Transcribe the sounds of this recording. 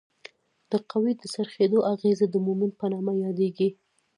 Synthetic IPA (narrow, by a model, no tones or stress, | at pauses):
d̪̥əqawid̪əsaɾxed̪oʔaɣezad̪əmumɪnpənɑmajɑd̪eɡi